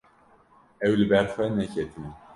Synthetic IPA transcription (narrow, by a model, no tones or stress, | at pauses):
ɛwlɨbɛɾxʷɛnɛcʰɛt̪ʰɨn